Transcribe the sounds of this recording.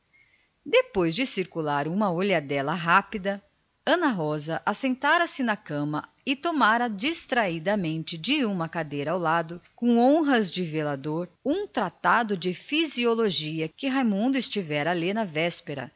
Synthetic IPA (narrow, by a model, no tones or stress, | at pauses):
d̪epojzd͡ʒɪsiɾkulaɾũmɐoʎɐd̪ɛlɐɦapid̪ɐ | ɐ̃nɐɦɔzɐʔasẽnt̪aɾɐsɪnɐkɐ̃mɐ | ɪt̪omaɾɐd͡ʒist̪ɾaid̪ɐmẽnt͡ʃɪd͡ʒɪũmɐkad̪ejɾɐawlad̪ʊkõõɦɐzd͡ʒɪvelad̪oɾũt̪ɾat̪ad̪ʊd͡ʒɪfizioloʒiɐkɪɦajmũnd̪ʊɪst͡ʃivɛɾɐalinɐvɛspeɾɐ̰